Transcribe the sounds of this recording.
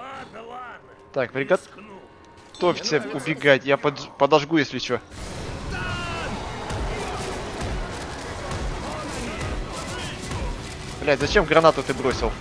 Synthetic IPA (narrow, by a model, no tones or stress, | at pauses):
t̪akpɾʲɪɡɐ | t̪o̞fʲsʲəʊbʲɪɡatʲjapəpəd̪ɐʐɡujesʲlʲɪt͡ɕo | blʲat̪ʲzɐt͡ɕemɡɾɐnat̪ʊt̪ɨbɾo̞sʲɪlˠ